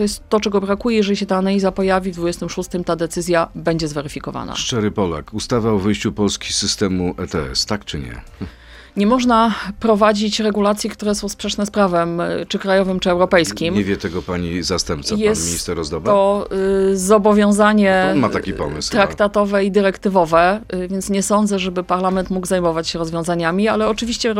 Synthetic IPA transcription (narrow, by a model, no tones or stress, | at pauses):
t̪ɔjɛst̪ːɔt͡ʂɛɡɔbɾakujɛjɛʐɛlʲiɕɛt̪aːnalʲizapɔjavʲivd̪vud͡ʑɛst̪ɘmʂust̪ɘmt̪ad̪ɛt̪sɘzʲjabɛɲd͡ʑɛzvɛɾɘfʲikɔva̰na̰ʂt͡ʂɛɾɘpɔla̰kust̪avaɔvɘjɕt͡ɕupɔlskʲi̥sɘst̪ɛmuʔɛt̪ɛɛ̰st̪akt͡ʂɘɲɛ̰ | ɲɛmɔʐnapɾɔvad͡ʑit͡ɕɾɛɡulat̪sʲjikt̪uɾɛsɔ̃w̃spʂɛt͡ʂnɛspɾavɛmt͡ʂɘkɾajɔvɘmt͡ʂɘɛwɾɔpɛjskʲimɲɛvʲjɛt̪ɛɡɔpaɲizast̪ɛmp̪̚sajɛsmʲiɲist̪ɛɾɔzd̪ɔvɔ | zɔbɔvʲjɔ̃w̃zaɲɛɔmaakʲipɔ̰mɨ̰st̪ɾakt̪at̪ɔvɛid̪ɘɾɛkt̪ɘvɔvɛvʲjɛnt̪sɲɛsɔnd̪zɛʐɛbɘpaɾlamɛnt̪muɡzajmɔvat͡ɕɕɛɾɔzvʲjɔ̃w̃zaɲamʲialɛɔt͡ʂɘvʲiɕt͡ɕɛ